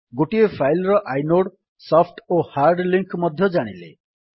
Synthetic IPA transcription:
ɡoʈiepʰajlɔɾɔʔajnoɽ | sɔpʰʈohaɾɖliŋkmɔd̪ʱjɔd͡ʒaɽ̃ile

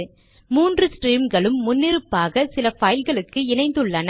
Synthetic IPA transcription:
muːndrɯsʈriːmɡɐɭɯmːʊnːɪɾɯpːaːɣɐsɪlɐfɐjɪlɣɐɭɯkːɯɪnɐɪnd̪ɯɭːɐnɐ

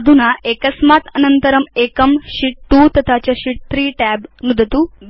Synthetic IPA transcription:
d̪ʱunaekɐsmaːt̪ɐnɐnt̪ɐɾɐmeːkɐmɕiʈʈːuːt̪ɐt̪ʰat͡ɕjaɕiʈ̚t̪ɾiːʈæːbnud̪ʱɐt̪uː

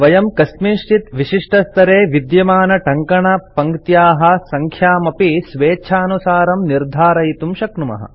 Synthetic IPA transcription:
ʋɐjɐmkɐsmiːʂʈit̪ʋiʃiʂʈɐst̪ʰɐɾeːʋid̪jɐmaːnɐʈɐŋkɐɳɐpɐŋkt̪jaːɦɐ̆sɐŋkʰjaːmɐpisʋeːt͡ʃʰaːnusaːɾɐmniɾd̪ʱaːɾɐjit̪umʃɐknumɐ̰ɦɐ̰̆

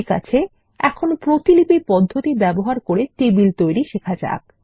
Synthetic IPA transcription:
ka̰t͡ɕʰe | ɛkʰonopɾot̪ilipipɔd̪ʱːot̪ibɛboɦaɾkoɾet̪ebilt̪ojɾiʃekʰad͡ʑa̰k̚

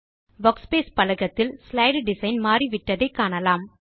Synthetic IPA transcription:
ʋɐkspeːspɐlɐɣɐt̪ːɪlslɐɪɖɖɪsɐɪnmaːriʋɪʈːɐðɐɪkːaːɳɐlaːm

